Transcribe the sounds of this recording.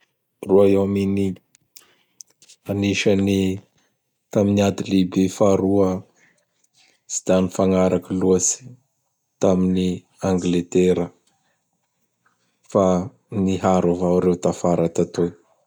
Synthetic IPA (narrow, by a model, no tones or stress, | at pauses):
ruaewamini | aniʃəni | t̪aminiad̪ilibefaɾuə | si̥d̪anifaŋaɾʔakəluəsi̥ | t̪amini | aŋɡlet̪eɾə | fa | niɦaɾavawɾewt̪afaɾat̪at̪o